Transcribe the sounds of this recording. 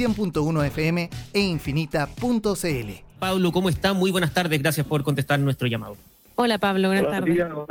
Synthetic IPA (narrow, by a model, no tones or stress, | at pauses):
jempunt̪ounoefeemeeiɱfinit̪apunt̪oseelḛpaβlokomoest̪amujβbwenast̪aɾðezɣɾasjaspoɾk̬ont̪est̪aɾnwest̪ɾoʝama̰ðo | olapaβlowenast̪aɾð